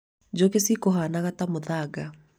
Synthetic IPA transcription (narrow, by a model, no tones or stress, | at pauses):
d͡ʑokesikoɦanaɣatamoðaɡa